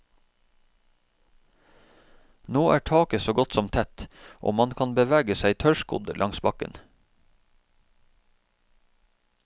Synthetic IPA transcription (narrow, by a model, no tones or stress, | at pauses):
noːʔæːʈʰɑːkəsoːɡɔt̪sɔmt̪ʰɛt̪ʔo̰ːmɑnkʰɑnbəʋæːɡəsæɪt̪ʰœʃkʊ̰d̪lʔɑŋsbɑkə̰n